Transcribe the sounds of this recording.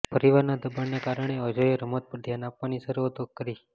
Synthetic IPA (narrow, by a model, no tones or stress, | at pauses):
pəɾiʋaɾnad̪əbəɳnekaɾəɳ̃eəd͡ʒoeɾəmot̪̚pəɾd̪ʱjanapʋanisəɾuot̪okkəɾi